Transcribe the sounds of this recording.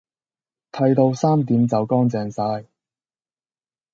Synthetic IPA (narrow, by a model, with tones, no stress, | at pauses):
t̪ʰɐ˧jt̪o˧wsaː˥mt̪iː˨˥mt͡sɐ˨wkɔː˥ŋt͡sɛː˨˧ŋsaː˧˥j